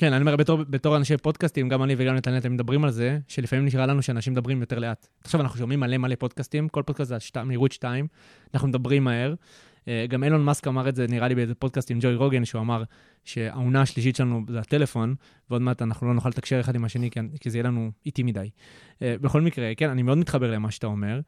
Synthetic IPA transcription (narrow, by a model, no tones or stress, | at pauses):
ke̞nanimomebetoʁbeto̞ʁanaʃepo̞dkastimɡamaniveɡamlet̪aleat̪emed̪abʁimalze̞ʃelifamimniʃʁalanuʃeanaʃimed̪abʁimjo̞te̞ʁleat̪ | aχʃavanaχnuʃo̞mimːalemalepo̞d̪̚kastimko̞lpo̞d̪̚kast̪zeaʃtameiʁut̪ʃtaim | anaχnumed̪abʁimːae̞ʁ | eɡamelo̞nmaskamaʁetze̞niʁalibeezepo̞d̪̚kastimd͡ʒojʁo̞ɡenʃeuamaʁ | ʃe̞a̰unaːʃliʃ̬itʃelanuzeate̞le̞fo̞n | veo̞d̪meat̪anaχnulo̞noχalet̪akʃeʁeχad̪imaʃe̞nikizejelanuit̪imidaj | beχo̞lmikʁe̞ke̞nanimeo̞d̪mit̪χabe̞ʁlemaʃe̥at̪ao̞me̞ʁ